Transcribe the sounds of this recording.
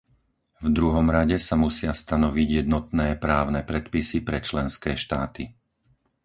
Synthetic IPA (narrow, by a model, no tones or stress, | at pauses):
vd̪ɾuɦɔmɾaɟɛsamusɪast̪anɔʋiɟjɛd̪nɔt̪nɛːpɾaːʊnɛpɾɛt̪pisipɾɛt͡ʃlɛnskɛːʃt̪aːt̪i